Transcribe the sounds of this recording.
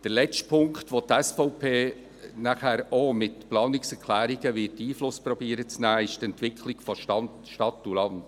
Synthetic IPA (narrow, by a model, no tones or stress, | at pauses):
d̥əɾlɛt͡ʃtpʰʊŋktʋot̪ɛsfɔʊpʰeː | næχæːɾomɪtplɑːnɪksɛɾkʰlæːɾɪɡəʋɪtiːflʊspɾɔbiːəɾət͡snæːɪʃtɛntʋɪkʰlɪɡ̥fɔʃɑn | ʃtɑtːulɑnd